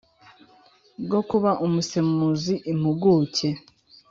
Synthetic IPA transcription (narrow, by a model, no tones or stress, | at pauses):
ɡo̞kuβaʔumusemuziʔim̥uɡuːce